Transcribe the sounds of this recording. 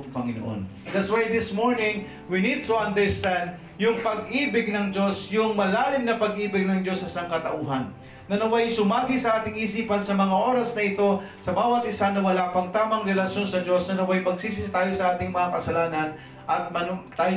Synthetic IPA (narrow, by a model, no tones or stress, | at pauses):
pɐŋɪno̰ʔo̰n | d̪ɐt̪swad̪ɪsmoɹnɪ̃ŋ | winid̪̚t̪uʔɐ̃nd̪ə˞st̪ɛ̃nd̪̚ | jʊŋpɐɡʔiːbɪɡ̚nɐŋd͡ʒo̞sjʊŋmɐlaːlɪmnɐpɐɡʔiːbɪɡ̚nɐŋd͡ʒo̞sːɐsaŋkɐt̪ɐʔuːɦɐnː | ɐnɐwajsʊmaːɡɪsɐʔaːt̪ɪŋʔiːsiːpɐnsɐmɐŋaʔo̞ːɾɐsnɐɪt̪o̞ | sɐbaːwɐt̪̚ʔɪsanɐwɐlaːpɐŋt̪aːmɐŋɾɛlɐʃjo̞nsɐd͡ʒo̞snɐnɐwajpɐɡsiːs̬ɪst̪aːjosɐʔaːt̪ɪŋmɐŋakɐsɐlaːnɐn | ʔɐt̪̚mɐnt̪aːj